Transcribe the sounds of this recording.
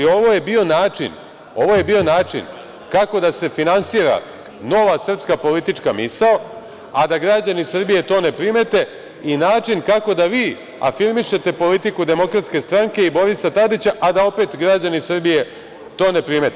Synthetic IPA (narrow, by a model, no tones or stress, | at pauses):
o̞ʋo̞je̞bio̞naːt͡ʂḭn | o̞ʋo̞je̞bio̞naːt͡ʂḭn | kako̞d̪ase̞finansiːɾa̰ | no̞ʋasr̩pskapo̞lit̪it͡ʂkamisao | ad̪aɡɾad͡ʑanisr̩bije̞t̪o̞ːne̞pɾime̞t̪e | inaːt͡ʂinkako̞d̪aʋiː | a̰fiɾmiʃe̞t̪e̞po̞lit̪ikud̪e̞mo̞kɾat̪ske̞st̪ɾaŋke̞ibo̞ɾisat̪ad̪it͡ɕaʔad̪ao̞pe̞ːt̪ɡɾad͡ʑanisr̩bije̞ | t̪o̞ːne̞pɾime̞t̪e